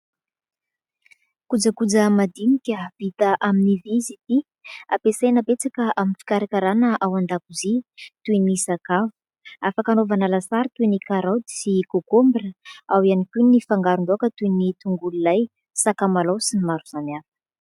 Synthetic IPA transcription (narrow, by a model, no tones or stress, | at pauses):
kud͡zəkud͡zəmad̪inikʲəv̥it̪əʔaminivizit̪i | apesajnəpet͡sakəʔaminfi̥kaɾakʲaɾanəʔawand̪akuzit̪uinisakavu̥ | afakanovanalasaɾit̪uinikaɾawd̪i̥sikokombirəawianikʲunifaŋɡaɾund̪oakət̪unit̪uŋɡululaj | sakamalawsinimaɾuz̥anafə̥